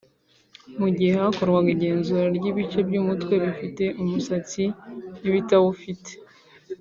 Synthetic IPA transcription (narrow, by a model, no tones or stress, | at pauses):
muɟihehako̞ɾɡwaɡiɟe̞ːnzuɾaɾɟiβit͡ʃe̞bɟuːmutwe̞βifite̞ʔumusat͡siniβitawufite̥